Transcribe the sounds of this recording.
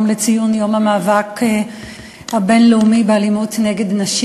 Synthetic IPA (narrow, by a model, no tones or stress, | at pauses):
mlet͡sijunjo̞mhamaːvak | habe̞nleumibealimutneɡe̞dnaʃ